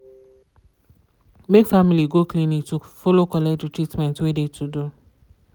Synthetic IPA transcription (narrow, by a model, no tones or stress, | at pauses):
mekfamiliɡokliniktufolokɔlɛdutɾitmɛ̃ntwedetʰudu